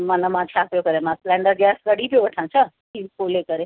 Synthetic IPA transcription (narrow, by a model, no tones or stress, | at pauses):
mɐnəmãt͡ɕʰaːpijokɐɾemãslɛ̃ːɳɖəɾɡɛːskɐɽipijoʋɐʈʰãt͡ʃʰə | iːkoːlekɐɾe